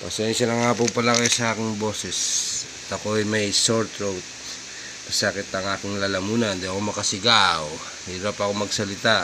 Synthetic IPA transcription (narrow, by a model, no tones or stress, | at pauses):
pɐsɛnʃɐnɐŋaːp̬opɐlakajsɐʔaːkɪŋbo̞ːsɛsɐt̪ɐkoɐjmɐjsoɾt̪ɾowt̪̚ | pɐsaːkɪt̪ɐŋʔaːkɪŋlalɐmuːnɐnd̪iɐko̞mɐkɐsɪɡaw | hiɾapɐko̞mɐɡsɐlɪt̪a